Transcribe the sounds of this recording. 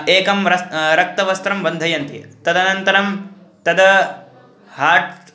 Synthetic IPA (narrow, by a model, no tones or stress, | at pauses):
eːkɐmɾɐɾɐk̚t̪ɐʋɐst̪ɾɐmʋɐnd̪ʱɐjɐnt̪ḭt̪ɐd̪ɐnɐnt̪ɐɾɐm | t̪ɐd̪ɐ | haːʈ